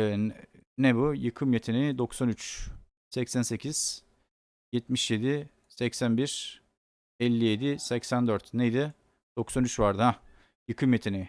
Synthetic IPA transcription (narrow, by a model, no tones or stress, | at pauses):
nɛbujɯkʰɯmjet̪ʰenid̪o̞ksanyt͡ʃ | sɛcsænse̞cʰiz̥ | jɛt̪miʃje̞d̪i | sɛcsænbiɾ̥ | ɛlʲːije̞d̪isɛcsænd̪øɾt̪nejd̪ɪ | d̪̥o̞ksanyt͡ʃvaɾd̪ɯɦa | jɯkʰɯmjet̪ʰeni